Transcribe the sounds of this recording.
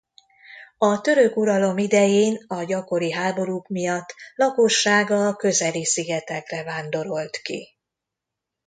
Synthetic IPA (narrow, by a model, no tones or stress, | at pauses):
ɒt̪ø̞ɾø̞kuɾɒlo̞mid̪ɛjeːnɒɟɒko̞ɾiɦaːbo̞ɾukmijɒt̪ːlɒkoʃːaːɡɒkø̞zɛlisiɡɛt̪ɛkrɛvaːnd̪o̞ɾo̞lt̪kḭ